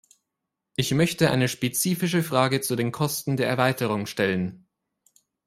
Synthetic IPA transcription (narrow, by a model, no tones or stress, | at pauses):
ʔɪçmœçtəʔa̰ɪnəʃpet͡siːfɪʃəfʁ̥aːɡət͡sudeːnkʰɔstn̩deːɐɛɐvaɪtəʁ̞ʊŋʃtɛlən